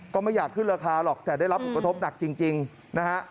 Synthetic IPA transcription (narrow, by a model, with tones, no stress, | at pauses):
kɔː˥˩ma˥˩jaː˨˩kʰːɯ˥˩nɾaː˧kʰaː˧lɔ˨˩k̚t̪ɛː˨˩da˥˩jɾa˦˥pʰo˨˩nk̚a˧t̪ʰo˦˥p̚na˨˩k̚t͡ɕi˧ŋt͡ɕi˧ŋ | na˦˥kʰa˦˥ʔ